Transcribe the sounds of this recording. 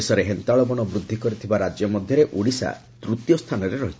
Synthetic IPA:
esɔɾeɦent̪aɭɔbɔɽ̃ɔbɾud̪ʱːikɔɾit̪ʰibaɾad͡ʒjɔmɔd̪ʱjɔɾeʔuɽisa̰ | t̪ɾut̪jɔst̪ʰanɔɾeɾɔɦit͡ʃʰ

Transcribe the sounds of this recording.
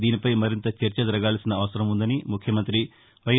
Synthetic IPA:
d̪iːnipɐjmɐɾint̪ɐt͡ʃɐɾt͡ʃɐd̪ɐɾɐɡaːlɐsinɐːʋɐsɐɾɐmund̪ɐnimukʰjɐmɐnt̪ɾi | ʋɐj

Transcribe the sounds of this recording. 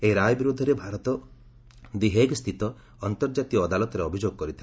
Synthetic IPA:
eɦiɾajɔbiɾud̪ʱːɔɾebʱaɾɔt̪ɔ | d̪iɦeɡst̪ʰit̪ɔ | ɔnt̪ɔɾd͡ʒat̪ijɔːd̪alɔt̪ɔɾeɔbʱid͡ʒoɡɔkɔɾit̪ʰila

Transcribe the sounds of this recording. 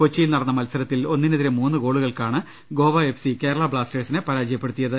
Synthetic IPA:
kot͡ɕːijilnɐrɐnːɐmɐlsɐɾɐt̪ːilo̞nːineðiɾemuːnːɨɡo̞ːɭuɣɐɭkaːɳɨ | ɡo̞ːʋɐefsike̞ːɾɐɭɐbɭaːsteːɖsinɨpɐɾaːd͡ʑɐjɐpːe̞ɽut̪ːijɐðɨ

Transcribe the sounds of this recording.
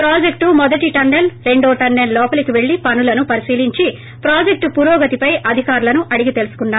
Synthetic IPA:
pɾaːd͡ʒek̚ʈumɔd̪ɐʈiʈɐnːelɾe̞ɳɖoːʈɐnːellɔːpɐlikiʋe̞ɭːipɐnulɐnupɐɾisiːliɲt͡ʃi | pɾaːd͡ʒek̚ʈpuɾɔːɡɐt̪ipɐjʔɐd̪ʱikaːɾulɐnuʔɐɽiɡit̪e̞lusu̥kunːaː

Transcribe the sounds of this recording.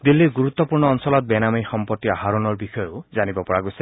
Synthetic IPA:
d̪ilːiɾɡuɾut̪ːɔpuɹɳɔːnsɔlɔt̪̚bɛnamixɔmpɔt̪ːiaɦaɾɔnɔɹbixɔjɔzanibɔpɔɹaɡuse

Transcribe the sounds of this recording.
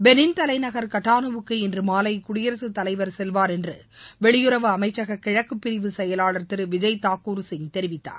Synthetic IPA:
bɛnɪnt̪ɐlɐɪnɐɣɐɾkɐʈːaːnɯʋɯkːɯɪndrɯmaːlɐɪkʊɽɪjɐɾɐsɯt̪ːɐlɐɪʋɐɾsɛlʋaːɾɛndrɯ | ʋɛɭɪjɯɾɐʋɯɐmɐɪt͡ʃːɐɣɐkːɪɻɐkːɯpːɪɾɪʋɯsɛjɐlaːɭɐɾt̪ɪɾɯʋɪd͡ʒɐɪt̪aːkːuːɾsɪŋt̪ɛɾɪʋɪt̪ːa̰ːɾ

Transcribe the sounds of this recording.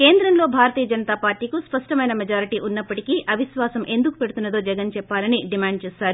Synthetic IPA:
ke̞ːnd̪ɾɐnlo̞ːbʱaːɾɐt̪iːjɐd͡ʒɐnɐt̪aːpaːɾʈːiːkuspɐʂʈɐmɐjnɐmɐd͡ʒaːɾiʈiːʔunːɐpːɐʈikiʔɐʋiʃʋaːsɐmʔe̞nd̪uku̥pe̞ɽut̪unːɐd̪o̞ːd͡ʒɛɡɐnt͡ʃɛpːaːlɐniɖimaːɳɖ̚t͡ʃeːsaːɾu

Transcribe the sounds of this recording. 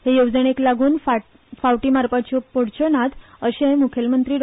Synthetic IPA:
hejowd͡zəɳeklaɡuːnfa | fawʈiːmaɾpat͡ɕɔpoɽt͡ɕənat̪ | əɕẽmukʰjelmənt̪ɾiːɾ

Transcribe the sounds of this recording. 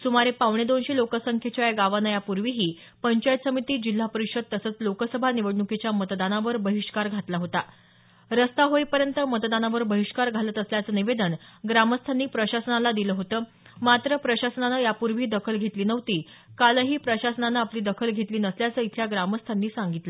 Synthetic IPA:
sumaɾepaʋɳ̃ed̪onɕelokəsəŋkʰjet͡ɕjaeɡaʋanajapuɾʋiɦiː | pəɲt͡ɕajt̪səmit̪iːd͡ʑil̤ːapəɾikɕəd̪̚t̪əsəːt͡slokəsəbʱaniʋəɽɳuket͡ɕjamət̪d̪anaʋəɾbəɦiʂkaɾɡʱat̪laɦot̪a | ɾəst̪aɦoipəɾjənt̪əmət̪d̪anaʋəɾbəɦiʂkaɾɡʱalət̪əsljat͡səːniʋed̪ənɡɾaməst̪ʰaniːpɾəɕasənalad̪iləːɦot̪əː | mat̪ɾəpɾəɕasənanəjapuɾʋiːd̪əkʰəlɡʱet̪liːnəʋt̪iː | kaləɦiːpɾəɕasənanəapliːd̪əkʰəlɡʱet̪liːnəsljat͡səːit̪ʰjaɡɾaməst̪ʰanːiːsaŋɡit̪lə

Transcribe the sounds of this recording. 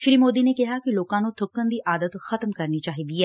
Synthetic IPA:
ʃɪɾiːmoːd̪iːneːkɪɦaːkɪloːkãːnũt̪ʰʊkːənd̪iːʔaːd̪ət̪xət̪mkəɾniːt͡ʃaːɦiːd̪iːɛː

